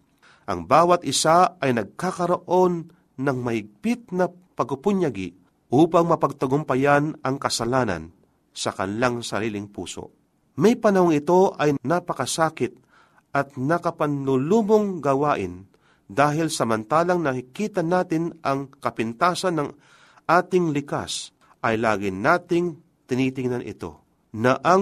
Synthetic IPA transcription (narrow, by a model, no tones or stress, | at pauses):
ʔɐ̰ŋbaːwɐt̪̚ʔɪsaɐjnɐɡ̚kakɐɾoʔo̞nː | ɐŋmɐhɪɡ̚pɪt̪̚nɐ | pɐɡʊpʊɲjaɡɪ̰ | ʔuːpaŋmɐpɐɡ̚t̪ɐɡʊmpɐjanɐŋkɐsɐlaːnɐ̰n | sɐkɐ̰nlaŋsɐ̰ɾiːlɪŋpṵːso̰ | mɐjpɐnɐhoŋɪt̪o̞ʔɐjnapɐkɐsaːkɪt̪̚ | ʔɐt̪̚nɐkɐpanlʊluːmoŋɡɐwaːʔɪ̰n | d̪aːɦɪlsɐmɐnt̪aːlɐŋnɐkɪkiːt̪anaːt̪ɪnʔɐŋkɐpɪnt̪aːsɐnːɐŋ | ʔaːt̪ɪŋlɪka̰s | ʔɐjlaːɡɪnaːt̪ɪŋ | t̪ɪnit̪ɪŋnanʔɪ̰t̪o̞̰ | nɐʔɐŋ